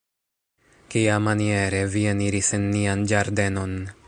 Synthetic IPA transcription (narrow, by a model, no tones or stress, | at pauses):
kiamanie̞ɾe̞vieniɾisenːiand͡ʒaɾde̞no̞n